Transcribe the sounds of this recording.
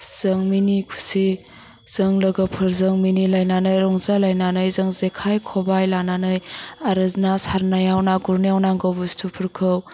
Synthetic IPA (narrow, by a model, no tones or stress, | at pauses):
z̥ɯŋminikʰu̥si | z̥ɯŋləɡapʰɯɾzɯŋminilajnanɯjɾɔŋzalajnanɯjzɯŋzekʰajkʰɔbajlananɯjaɾɯznasaɾnajawnaɡuɾnijawnaŋɡɔbustʰupʰɯɾkʰɯw